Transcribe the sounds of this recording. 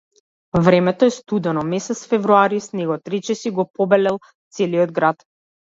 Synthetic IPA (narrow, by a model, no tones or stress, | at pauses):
vɾɛmɛt̪ɔɛst̪ud̪ɛnɔmɛsɛt̪sfɛvɾuaɾisnɛɡɔt̪ɾɛt͡ʃɛsiɡɔpɔbɛlɛlˠ | t̪sɛliɔd̪ɡɾat̪